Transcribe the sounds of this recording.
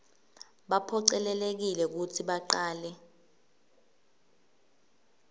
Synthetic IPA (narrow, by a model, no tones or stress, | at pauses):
ɓapʰɔǀɛlɛlek̬ilɛk̬utʰiɓaǃaːlɛ